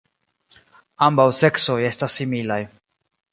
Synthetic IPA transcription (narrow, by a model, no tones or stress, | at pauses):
ambawse̞kso̞je̞stasːimilaj